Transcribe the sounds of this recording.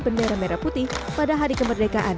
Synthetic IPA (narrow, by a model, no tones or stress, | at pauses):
bəndeɾameɾaput̪ɪhpadaɦaɾikəmbərdekaʔan